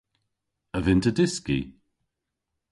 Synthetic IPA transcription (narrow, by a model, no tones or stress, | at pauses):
əvɪntədɪskḭ